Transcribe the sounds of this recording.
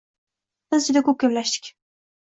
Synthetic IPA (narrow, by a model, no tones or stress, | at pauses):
sɨzd͡ʒʊd̪akʰɵp̚ɡʲamlaʃd̪ɪ̥kʲ